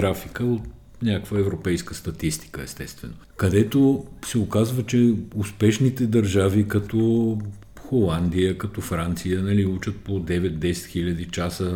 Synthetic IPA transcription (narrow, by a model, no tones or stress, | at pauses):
ɡɾafikəot̪̚ | nʲakkvəɛvɾopɛjskəst̪ɐt̪ist̪i̥kəɛst̪ɛst̪vɛno | kɐd̪ɛt̪osɛokazvɐt͡ʃɛʊspɛʃnit̪ɛd̪ɐɾʒavikɐt̪o | xolˠand̪ijəkɐt̪ofɾant̪sijənɐliut͡ʃət̪̚pod̪ɛvɛt̪̚d̪ɛsɛ̥t̪xilʲəd̪it͡ʃasə